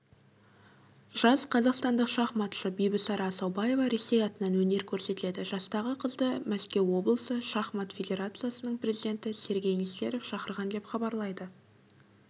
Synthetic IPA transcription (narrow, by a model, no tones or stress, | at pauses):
ʒ̥ɑzqʰɑzɑqst̪ɑnd̪əqʃɑχmɑt̪ʃəbijbɪsɑɾɑsɑwbɑje̞vɑɾe̞se̞jɑt̪ənɑnwɵne̞ɾkʲʰɵɾse̞t̪ɪle̞d̪ɪʒ̥ɑst̪ɑʁəqʰəzd̪əmæskʲe̞wwo̞blˠəsəʃɑχmɑt̪fʲed̪ʲe̞ɾat̪sɨjasənəɴpʰrʲe̞zid̪e̞nt̪ɪse̞ɾɡʲe̞jnise̞̰ɾe̞fʃɑqəɾʁɑnd̪e̞pχɑbɑɾlˠɑjd̪ə